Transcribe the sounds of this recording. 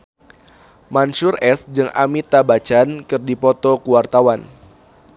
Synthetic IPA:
manʃʊrʔɛsd͡ʒɨŋa̰mit̪abat͡ʃankɨrdipɔt̪ɔkuwart̪awan

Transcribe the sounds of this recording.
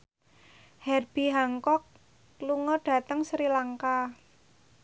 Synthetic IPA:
hɛrb̥i̤ɦaŋkɔk̚ | luŋɔrɖ̥a̤t̪əŋsɾilaŋka

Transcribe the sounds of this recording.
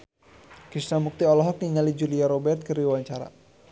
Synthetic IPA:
kɾisnamuk̚t̪iɔlɔɦɔk̚niŋalid͡ʒuliaɾɔbɛrt̪̚kəɾiwaɲt͡ʃaɾa̰

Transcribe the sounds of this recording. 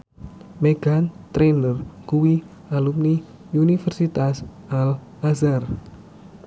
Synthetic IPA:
meɡ̥ant̪ɾenərkuwi | alumni | unifərsit̪as | al | azar

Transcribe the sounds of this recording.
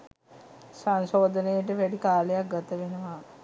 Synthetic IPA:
sansoːd̪ənəjəʈəʋæɖikaːlejak̚ɡat̪əʋenəʋa

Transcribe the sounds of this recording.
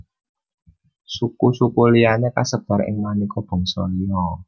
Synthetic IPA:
sukusukulijanekasəb̥a̤ɾɪ̰ŋmanikɔb̥ɔ̤ŋsɔlijɔ

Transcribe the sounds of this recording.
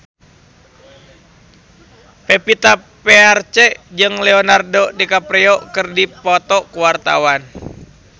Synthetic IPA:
pepit̪a | pɛart͡ʃɛd͡ʒɨŋlɛɔnardodikapɾɛɔkɨrdipɔt̪ɔkuwart̪a̰wan

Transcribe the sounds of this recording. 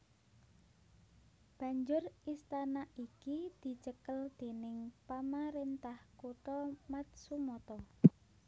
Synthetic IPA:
b̥ä̤ɲd͡ʒʊrist̪anaikid̪̥i̤t͡ʃəkəld̪̥e̤nɪŋpamaɾent̪ahkuʈɔmat̪̚sumɔt̪ɔ

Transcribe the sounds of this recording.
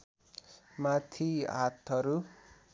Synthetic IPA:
mat̪ʰia̰t̪ʰʌɾu

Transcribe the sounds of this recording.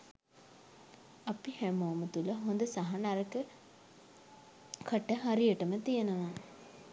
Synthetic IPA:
apihæmoːmət̪uləɦond̪əsaɦanaɾəkə | kʰəʈəɦaɾijəʈəmət̪ijenəʋa

